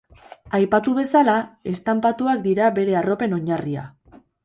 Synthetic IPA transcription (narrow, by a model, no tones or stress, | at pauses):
ajpat̪uβ̞e̞salae̞st̪ampat̪uakd̪iɾaβe̞ɾe̞aro̞pe̞no̞ɲaria̰